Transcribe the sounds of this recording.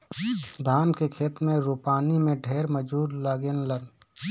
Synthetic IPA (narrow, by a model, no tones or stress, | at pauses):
d̪ʱaːnkekʰeːt̪mẽɾuːpaːnimẽɖʱeːɾməd͡ʒuːɾlaːɡenlən